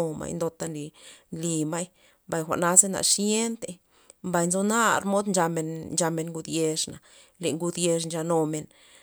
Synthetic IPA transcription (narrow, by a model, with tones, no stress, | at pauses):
o˧ma̰˧jnd̪o˧t̪a˧nli˨nli˧ma˦j | mba˨jxʷa̰˨na˦ze˦na̰˨ʂje˦nt̪e˧ | mba˧jnzo˧na˦ɾmo˦d̪nd͡ʒa˧me˨nnd͡ʒa˧me˧nŋɡu˧d̪je˧ʂna˨ | le˨ŋɡu˧d̪je˧ʂ̬nd͡ʒa˧no˧me˨n